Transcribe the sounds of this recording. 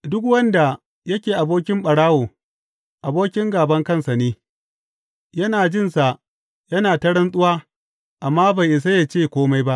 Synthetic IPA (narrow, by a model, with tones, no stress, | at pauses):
dʊ˦k̬wɐ˦nda˨ | jɐ˦kʲeː˨ʔa˨boː˦k̬ʲɪ˦mɓɐ˨ɽaː˦woː˨ | ʔa˨boː˦kʲɪ˦ŋɡaː˨bɐ˦ŋkɐ˦˨nsa˨neː˦ | jɐ˦naː˨d͡ʒɪ˦˨nsa˨ʔ | jɐ˦naː˨tɐ˦ɽɐ˦nsʼʊ˦waː˦ | ʔa˨mːaː˦ba˨jʔɪ˨s̬a˦ja˨t͡ʃeː˦˨kʷoː˦ma˦jba˦ʔ